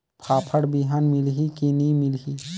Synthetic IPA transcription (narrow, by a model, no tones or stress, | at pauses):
pʰaːpʰəɽbiɦaːnmɪlɦikinimɪlɦi